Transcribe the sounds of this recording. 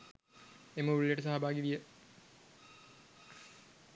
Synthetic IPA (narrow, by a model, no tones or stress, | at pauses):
eməulijəʈəsaɦabaːɡiʋijə